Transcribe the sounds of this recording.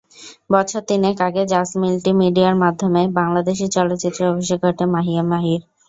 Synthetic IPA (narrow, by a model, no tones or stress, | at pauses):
bɔt͡ɕʰoɾt̪inekaɡed͡ʑasmilʈimiɖiaɾmad̪ʱːomebaŋlad̪eʃ̬it͡ɕɔlot̪ːɕit̪ːɾoobʱiʃeɡʱoʈemaɦiamaɦiɾ